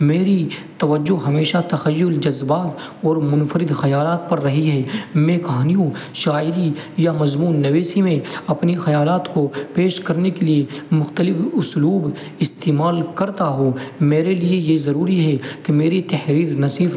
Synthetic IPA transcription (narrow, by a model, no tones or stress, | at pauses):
meːɾi | t̪ɐʋəd͡ʒːoɦɐmeːʃat̪ɐxɐjːʊld͡ʒɐzbaːt̪ | ɔːɾmʊnfəɾɪd̪xɐjaːlaːt̪̚pɐɾːɐɦiɦɛːmẽkɐɦaːnijõʃaːɪɾijamɐzmuːnːɐʋeːsimẽɐpnixɐjaːlaːt̪kopeːʃkɐɾnekeliemʊxt̪əlɪfʊsluːb | ɪst̪eːmaːlkɐɾt̪aɦomeːɾeliejezɐɾuːɾiɦɛkemeːɾit̪ɐhɾiːɾnɐsiːf